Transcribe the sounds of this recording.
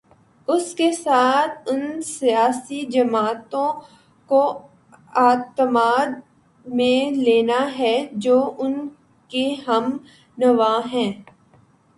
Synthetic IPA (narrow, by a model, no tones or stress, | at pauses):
ʊskesaːt̪ʰʊnsijaːsid͡ʒɐmaːt̪õ | ko | aːt̪əmaːd̪̚ | mẽleːnaɦɛd͡ʒoːʔʊn | keɦɐm | nɐʋaːɦɛ̃ː